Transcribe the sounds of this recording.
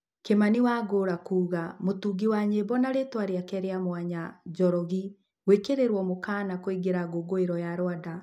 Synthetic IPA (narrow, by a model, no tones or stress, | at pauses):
kemaniwaɡoɾakuːɣamotuːɡiwaɲebɔnaɾetwaɾeakɛɾeamwaɲad͡ʒɔɾɔɣi | wekeɾeɾwɔmokaːnakoiɡeɾaɡoɡoeɾɔjaɾwada